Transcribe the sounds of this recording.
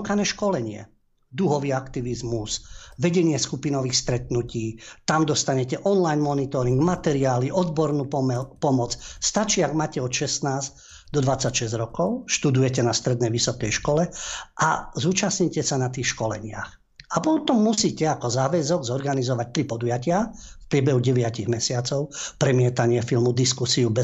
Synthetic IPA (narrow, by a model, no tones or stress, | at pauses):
kanɛːʃkɔlɛɲɪɛ̰ | d̪uɦɔʋiːakt̪iʋizmusʋɛɟɛɲɪɛskupinɔʋiːxst̪ɾɛt̪nuciːt̪amd̪ɔst̪aɲɛcɛʔɔnlajnmɔnit̪ɔɾiŋɡmat̪ɛɾiaːliʔɔd̪̚bɔɾnuːpɔmɔt͡sst̪at͡ʃiːaɡmaːcɛɔt̪ʃɛsnaːz | d̪ɔd̪ʋat͡sːacʃɛzɟɾɔkɔʊʃt̪ud̪ujɛcɛnast̪ɾɛd̪nɛjʋisɔkɛjʃkɔlɛʔa̰zuːt͡ʃasɲicɛsanat̪̬iːxʃkɔlɛɲɪa̰x | ʔapɔt̪ɔmːusiːcɛakɔzaːʋɛzɔɡzɔɾɡanizɔʋac̚t̪ɾipɔd̪ujacɪafpɾɪɛbɛɦuɟɛʋɪaciɣmɛsɪat͡sɔʊpɾɛmɪɛt̪aɲɪɛfilmud̪iskusiubɛ